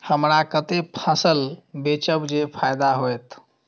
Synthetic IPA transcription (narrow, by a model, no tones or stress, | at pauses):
həmɾakət̪epʰãsəlbet͡ʃəbd͡ʒepʰajd̪aɦojt̪